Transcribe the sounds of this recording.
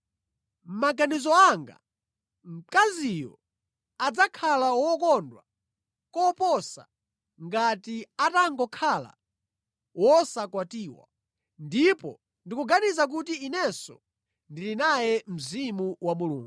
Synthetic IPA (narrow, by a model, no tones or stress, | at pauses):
m̩maɡanizɔaŋɡa̰ | m̩kazijɔ̰ | ad͡zakʰalawɔkɔndwa | kɔpɔsa̰ | ŋɡatiataŋɡɔkʰala̰ | wɔsakwatiːwa̰ | ndipɔ | ndikuɡanizak̬ut̬iinɛsɔ̰ | ndilinajɛm̩zimuwamulṵːŋɡuu